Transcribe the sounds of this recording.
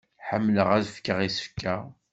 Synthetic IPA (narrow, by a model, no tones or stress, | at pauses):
ħəmːləʁæðfkːəʁisə̥fkːa